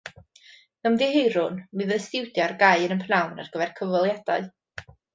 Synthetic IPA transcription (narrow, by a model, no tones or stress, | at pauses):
namdihejɾʊnmɨðəstɪwdjarɡajənənpʰnawna̰rɡəvɛrkʰəvɔlˠjad̥a̰ɨ